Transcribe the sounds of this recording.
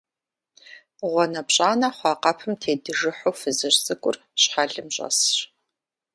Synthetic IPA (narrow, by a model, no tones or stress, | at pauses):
ʁʷɔnɐpɕʼaːnɐχʷɑːqɐpʰɨmtʰeːdɨʒɨħowfɨzɨrt͡sʼɨkʷʼʊr | ɕħaɮɨmɕʼɐ̰sɕ